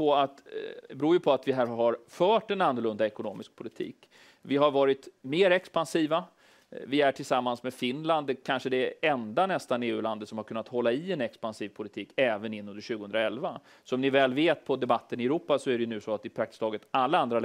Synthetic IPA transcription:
ɔat̪bɾuːjɵpʰɔat̪vɪɦæːɾɦaɾfœːʈɛnanːʊɭɵnd̪aɛkʊnoːmɪsk̚pʰʊlɪt̪ʰḭːk | vɪɦaɾvɑːɾɪt̪meːɾɛkspansiːva | vɪæʈʰɪlsamːansmɛfɪnland̪ɛkʰanʂəd̪ɛɛnd̪anɛst̪aneːʉ̟land̪ət̪sɔmhaɾkʰɵnːat̪hɔlːaɪɛnɛkspansiːvpʰʊlɪt̪ʰiːkɛːvənɪnːɵnd̪əɾʂʉ̟ɡʊhɵnɾaɛlva | sɔmnɪvɛːlveːt̪̚pʰɔd̪ɛbat̪ːənɪɛɾuːpasɔæɖɛjʉnʉ̟ːsoat̪ːɪpʰɾak̚t̪ɪ̥st̪ɑːɡət̪alːaand̪ɾa

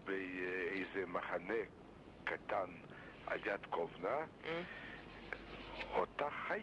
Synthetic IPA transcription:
beejzemaχane | kat̪an | a̰ljat̪kʰovna | ot̪aχa

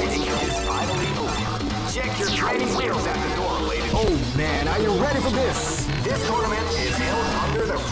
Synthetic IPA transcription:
ɪɾɪ̃ŋɨɨzfaɪɾl̩ˠĩo | t͡ʃʰɛkjə˞tʰɹ̥ẽɪɾɪ̃ŋwelˠzɨt̪̚ðɨdɔɹleɪɾioʊmæ̃nə˞jɨɹɛɾifə˞ðɪs | ðɪstʰɔɹnəmɨ̃ntɪzozʌ̃ndə˞ðɨ

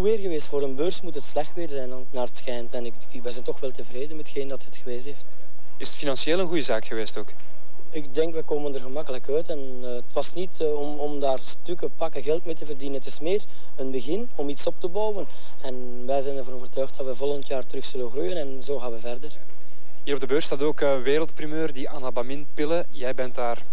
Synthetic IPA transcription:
uʋeːrɣəʋeːstfoːɾənbørsmutɦətslɛxtʋeːrzɛjnɑtnaːrətsxɛjntɛnɪk | ʋɛjzɛntɔxʋɛlˠtəvreːdənmɛtxeːndɑtətxəʋeːzɦeːft | ɪsətfinɑnseːlˠənɣujəzaːkxəʋeːstoːk | ɪkdɛŋkʋɛkoːməndərɣəmɑkələkœːtɛn | tʋɑsnit | ɔmɔmdaːrstʏkəpɑkəɣɛlˠtmeːtəvərdinənətɪsmeːr | ənbəɣɪn | ɔmitsɔp̚təbɑwən | ɛn | ʋɛjzɛjnəɛrvɑnoːvərtœːxt̚d̥ɑtʋɛvɔlˠɣəntjaːrtərɵxsɵlənɣrujənɛnzoːɣaːnʋəvɛrdər | hiːɾɔbdəbøːrtstaːtoːkː | ʋeːɾəlˠt̚primøːrdiʔanabamɪnpɪlə | jɛjbɛntaːr

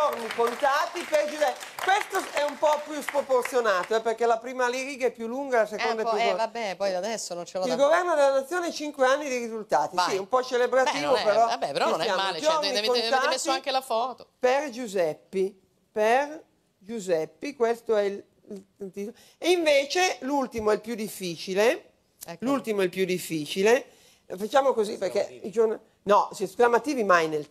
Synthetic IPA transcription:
d͡ʒornikont̪aːt̪iperd͡ʒuzɛkwest̪oɛumpɔpjuspɾoport̪sjonaːt̪oɛpːerkelapɾiːmaliɾiːɡaɛpːjulːuŋɡalasekond̪aɛpjuabɛpɔjad̪ɛsːonont͡ʃelailɡovɛrnod̪elːanat̪sːjoːneɛt͡ʃiŋkweanːid̪iɾizult̪aːt̪isaiumpɔt͡ʃelebɾat̪iːvopeɾɔabɛpeɾɔinsnjaːmaod͡ʒorniont̪asiaŋkelafɔːt̪operd͡ʒuzɛpːi | per | d͡ʒuzɛpːikwest̪oɛil | t̪it̪o | eiɱveːt͡ʃelult̪imoɛlpjud̪ifːiːt͡ʃile | ɛlult̪imoɛlpjud̪ifːiːt͡ʃile | fat͡ʃaːmokoziperk̟ɛd͡ʒorn | nɔsɛsklamat̪iːvimajnel

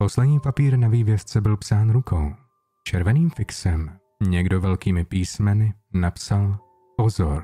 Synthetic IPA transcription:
poslɛdɲiːpapiːɾnaviːvjɛst͡sɛbɪlpsaːnɾukʰow | t͡ʃɛɾvɛniːmfɪksɛm | ɲɛɡdovɛlkiːmɪpiːsmɛnɪ | napsal | pozoɾ

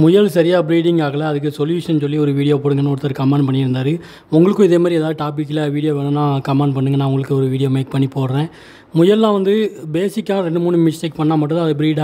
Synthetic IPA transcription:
mʊjɐlsɐɾɪjaːbɪɾiːɽɪŋɡaːɣɐlɐɐðɯk̬ːɯsɔljuːʂɐnsɔlːiɔɾɯʋiːɽɪjoːpoːɽɯŋɡɐnːaɔɾɯt̪ːɐɾkɐmɐɳɖpɐɳːɪɾɯnd̪aːɾɯ | ʊŋɡɐɭɯkːʊ̃ɪðeːmad̪ɾiɛːðaːʋðɯʈaːpɪkːɪlɐʋiːɽɪjoːʋeːnɐnːãːkɐmɐɳɖpɐɳːɯŋɡɐnːãːʊŋɡɐɭɯkːɯɔɾɯʋiːɽɪjoːmeːk̚pɐɳːipoːɾɾẽː | mʊjɐllãːʋɐnd̪ɯbeːsɪkːaːɾɛɳɖɯmuːɳːɯmɪsʈeːk̚pɐɳːaːmɐʈːɯ̃d̪aːɐðɐbɪɾiːɽa

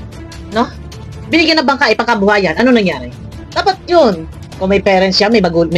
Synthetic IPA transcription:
no | bɪnɪɡjɐnːɐbɐŋkaːʔɪpɐŋkɐbʊhaːjɐnʔɐnonɐŋjaːɾɪ | d̪̥aːpɐt̪̚jon | kʊŋmɐjpɛːɾɛnsjamɐjbɐɡulm

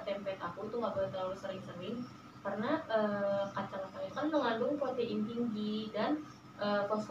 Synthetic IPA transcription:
t̪ɛmpɛt̪akut̪uŋabəlt̪əɾalusəɾɪŋsəɾɪŋ | karnaʔəkat͡ʃaŋat̪alikanməŋandʊŋpot̪eʔint̪iŋɡidan | ʔəkɔst̪

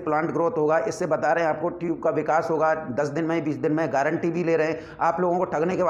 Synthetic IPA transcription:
plãːɳʈɡɾoːt̪ɦoːɡaːʔɪsːebɐt̪aɾɐɦɛ̃aːp̚koʈjuːb̚kaʋɪkaːsɦoːɡad̪ɐsd̪ɪnmɛ̃biːt͡ʃd̪ɪnmɛ̃ɡɛːɾə̃ɳʈibʱileːɾɐɦɛ̃ː | aːploːɡõkoʈʰɐɡnekeb

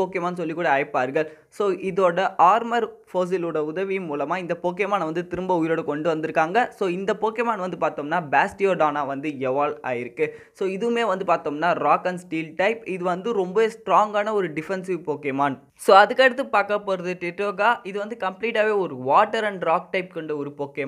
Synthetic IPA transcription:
oːkɪmaːnːsɔlːikːuːɽɐɐɪpːaːɾɣɐɭ | soːʔɪðoːɽɐʔaːɾmɐɾfoːs̬ɪloːɽɐʊðɐʋijmuːlɐmaːɪnd̪ɐpoːk̬ɪɛmaːnɐʋɐnd̪ɯt̪ɪɾɯmbɐʊjɪɾoːɽɐkɔɳɖɯʋɐnd̪ɪɾɯkːaːŋɡɐsoːɪnd̪ɐpoːkɪmaːnʋɐnd̪ɯpaːɾt̪oːmnaːbaːsʈɪjoːɖaːnaːʋɐnd̪ɯɛʋaːla̰ːjɪɾɯkːɯ | soːɪðɯmeːʋɐnd̪ɯpaːɾt̪oːmnaːɾaːkɐɳsʈiːlʈɐɪpɪðɯʋɐnd̪ɯɾɔmbɐʋeːsʈɾaːŋɡaːnɐɔɾɯɖɪfɛnsɪʋpoːkemaːn | soːɐðɯkːɛɽɯt̪ːɯpaːkːɐpːoːɾɐðɯʈːɪʈːoːɡaːʔɪðɯʋɐnd̪ɯkɐmpliːʈaːʋeːɔɾɯʋaːʈːɐɾɐɳɖɾaːk̚ʈɐɪp̚kɐɳɖɐɔɾɯpoːke

